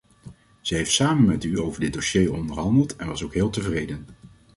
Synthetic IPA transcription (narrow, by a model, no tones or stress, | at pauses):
z̥əɦejftsaːmənmɛtyowvəɹdɪt̚doʃejɔndəɹɦɑndəlˠtɛnʋɑsowkɦɪːlˠtəvrejdən